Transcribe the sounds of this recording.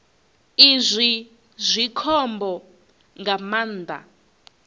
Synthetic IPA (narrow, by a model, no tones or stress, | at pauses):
izʷi | zʷikʰɔmbɔ | ŋɡamaːnd̪a̰